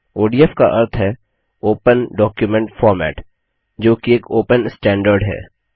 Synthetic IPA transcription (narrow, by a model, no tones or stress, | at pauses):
oːɖiɛfka̰ʔɐɾt̪ʰɦɛ | oːpənɖɔːkjʊmɛ̃ɳʈfɔːɾmɛ̰ːʈ | d͡ʒoːkieːkoːpənsʈɛ̃ːɳɖəɾɖɦɛ̰ː